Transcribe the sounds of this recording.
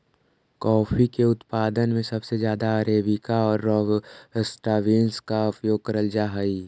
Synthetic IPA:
kɔːfʰikeʊt̪paːd̪ənmẽsɐbsed͡ʒjaːd̪aəɾeːbɪkaɔːɾːɔːɡəsʈaʋiːnskaʊpjoːɡ̚kəɾəld͡ʒaːɦəi

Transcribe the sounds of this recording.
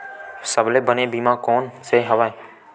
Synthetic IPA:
səbleːbənẽːbiːmãːkoːnseːɦəʋaːe

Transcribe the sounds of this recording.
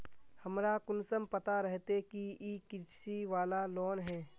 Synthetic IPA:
həmɾakʊnsəmpət̪aɾɛɦt̪ekiikɪt͡ʃsiʋaːlalɔːnɦɛ̃ː

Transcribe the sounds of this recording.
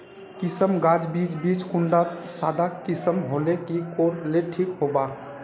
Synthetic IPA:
kisəmɡad͡ʒbid͡ʒbit͡ʃkuɳɖasad̪ʱakisəmɦolekikoɾleʈʰikɦoba

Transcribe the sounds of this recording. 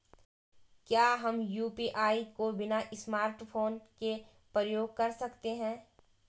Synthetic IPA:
kjaːɦɐmjuːpiːʔaːikobɪnaʔɪsmaːɾʈpʰoːnke | pɾəjoːɡ̚kɐɾsɐkt̪eɦɛ̃ː

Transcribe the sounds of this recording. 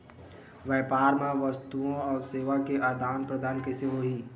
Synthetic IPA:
ʋjɛːpaːɾmẽʋɐst̪uõɔːɾseːʋakeʔad̪aːnpɾəd̪aːnkeseɦoːɦiː

